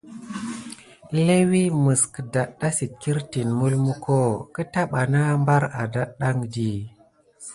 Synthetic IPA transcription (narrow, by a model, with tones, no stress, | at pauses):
le˦wi˦mɨ˨skə˨da˨ɗa˦si˨t̚ki˦ɾti˨nmu˦lmu˦ko˦kə˦ta˦ɓa˨na˦mba˦ɾa̰˨da˦ɗa˦ŋdi˨